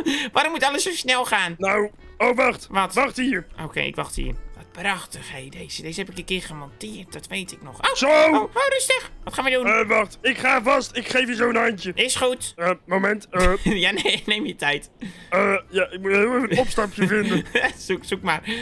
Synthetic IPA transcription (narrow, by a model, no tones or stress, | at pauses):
ʋaɾɔmutɑləssowsnɛlˠxaːnnaw | owʋɑxtʋɔtʋɑxthiːəɹʔoːkḛʔɪ̰kʋaxthḭːrʋɔt̚prɑxtəxejdejz̥ədeːzəhɛpɪkəkɪχəmɔntɪərt̚dɔtʋejtɪknɔxʔosowooːrɪstəxʋɔtχaːnʋədunʋɑxtɪkχaːvɑstɪkχejfjəzowənajntjəʔɪsχutəmomɛntːjanenejmjətʰɛjtəjaɪk̚muɪənɔpstɑɹpjəfɪndəsuksukmar